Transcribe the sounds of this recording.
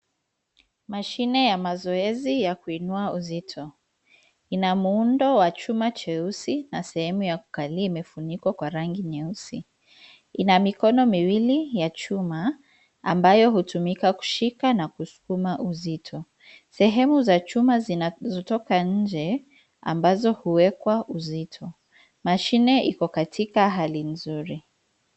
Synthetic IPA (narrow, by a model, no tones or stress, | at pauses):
maʃinɛjamazɔɛzijakuinuauzitʰɔ | inamuundɔwat͡ʃumat͡ʃɛusinasɛhɛmujaku̥kaliimɛfunikwakwaɾaŋɡiɲɛusi | inamikɔnɔmiwilijat͡ʃuma | ambajɔɦutumikaku̥ʃikanakusu̥kumaʔuzitʰɔ | sɛɦɛmuzat͡ʃumazzɔtɔkaɲ̩d͡ʒɛ | a̰mbazɔhuwɛkwaʔuzitʰɔ | maʃinɛʔikɔkatʰikaɦalinzuɾi